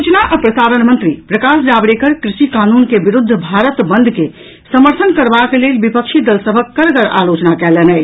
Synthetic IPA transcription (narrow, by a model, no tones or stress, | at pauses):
ut͡ʃnaʔəpɾəsaːɾənmənt̪ɾipɾəkasd͡ʒabɽekəɾkɾɪʃikaːnunkebiɾʊd̪ʱːbʱaːɾət̪bə̃nd̪ʱke | səməɾt̪ʰənkəɾbakelelbipəkʃʰid̪əlsəbʱəkːəɾkəɾa̰ːlot͡ʃnakɛlenɛ